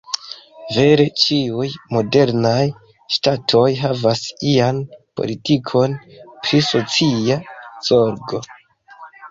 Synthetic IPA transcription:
ve̞ɾe̞t͡ʃiujmo̞de̞ɾnaj | ʃtatʰo̞jɦavasianpo̞̰litikʰo̞npɾiso̞t͡siaz̥o̞ɾɡo̞

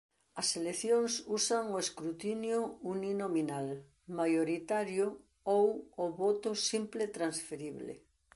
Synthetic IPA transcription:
ɐseleθjoŋsusaŋoeskɾut̪injʊuninominal | majoɾit̪aɾjʊ | owːβot̪ʊsimplet̪ɾansfeɾiβlḛ

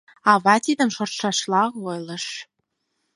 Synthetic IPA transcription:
ɑβɑt̪id̪ə̆mʃort̪ʃɑʃlɑojlɤ̆ʃ

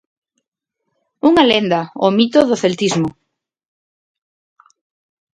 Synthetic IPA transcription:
uŋalend̪aomit̪oðoθelt̪izmo

